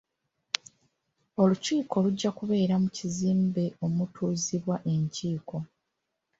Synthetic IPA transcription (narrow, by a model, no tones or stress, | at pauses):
o̞luciːko̞luɟːakuβe̞ːɾamuciziːmbe̞o̞mutʰuːziβwaʔe̞ɲciːko̞